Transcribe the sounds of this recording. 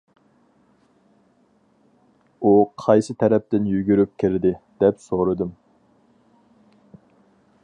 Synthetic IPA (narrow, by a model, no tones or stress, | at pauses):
uqʰɑjsɨt̪ʰɛɾɛp̚t̪ɪnjyɡʲyɾyp̚kʲʰɪɾd̪ɪd̪̥ɛpsoɾɨd̪ɨm